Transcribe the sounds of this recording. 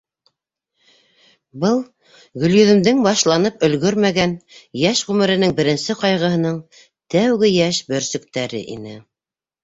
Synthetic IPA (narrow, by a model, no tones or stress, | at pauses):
bɤlˠ | ɡɵ̆ljɵ̆ðɘ̆md̪ɘŋbɑʃlˠɑnɤpɵ̆lɡɵɾmæɡænjæʃʁʉmɘ̆ɾɘ̆nɘŋbɘ̆ɾɘ̆nsɘqɑjʁɤ̆ɦɤ̆nɤɴ | t̪æwɡɘjæʃbɵ̆ɾsɵ̆kt̪æɾɘ̰ʔḭnɘ